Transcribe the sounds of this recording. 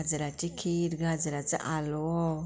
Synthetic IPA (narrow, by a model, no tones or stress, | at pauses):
d͡zəɾat͡ɕikʰiɾɡad͡zɾat͡sə̰ʔalwo